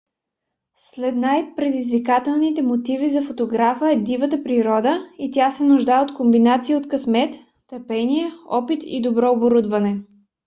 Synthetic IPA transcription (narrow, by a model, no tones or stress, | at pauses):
slɛt̪najpɾɛd̪izvikat̪ɛlˠnit̪ɛmot̪ivizɐfot̪oɡɾafəɛd̪ivət̪əpɾiɾɔd̪əit̪ʲasɛnʊʒd̪aɛot̪kombinat̪siiot̪kɐsmɛt̪ː | əpɛniɛɔpit̪ḭd̪obɾɔoboɾud̪vɐnɛ